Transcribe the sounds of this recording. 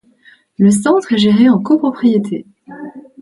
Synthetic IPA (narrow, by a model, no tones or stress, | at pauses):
ləsɑ̃t̪χɛʒeʁeɑ̃kopχɔpχijet̪ʰḛ